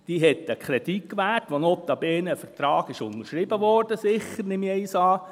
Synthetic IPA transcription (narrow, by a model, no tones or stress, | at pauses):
d̥iːɦɛt̪ːəkʰχɾɛdikkːʋæːtʋonɔpt̪ɑbɛːnəfəɾtɾɑːɡɪʃʊnəɾʃɾɪbəʋɔrd̥əsɪχːəɾnɪmiɛisɑː